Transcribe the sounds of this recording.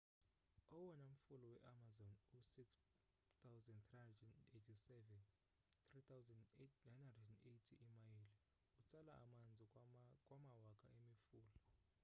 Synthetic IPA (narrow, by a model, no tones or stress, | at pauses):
ɔwɔnaum̩fulɔwɛʔamazɔnusiks | t̪ʰawzɛnt̪iandnetʰisɛvɛn | tʰritʰawzɛnetnajnhandrɛdɛnejtʰiʔimajili | ut͡sʼalaa̰mand͡zʱikʼwamawakʼa̰ʔemifuːlɔ